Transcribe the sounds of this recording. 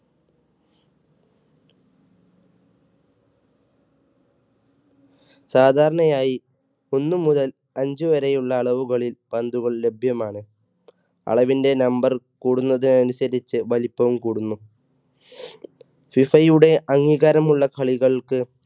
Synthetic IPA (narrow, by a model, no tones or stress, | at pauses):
saːd̪ʱaːɾɐɳɐjaːji | o̞nːumuðɐl | ɐɲd͡ʑɨʋɐɾɐjuɭːɐːɭɐʋuɣɐɭilb̥ɐnd̪uɣɐɭle̞bʱjɐmaːɳɨ | ɐ̰ɭɐʋinde̞nɐmbɐr | kuːɽunːɐðinɐnusɐɾit͡ɕːɨʋɐlipːɐʋmkuːɽunːu | fifɐjuɽe̞ʔɐŋːiːɣaɾɐmuɭːɐkʰɐɭiɣɐɭkɨ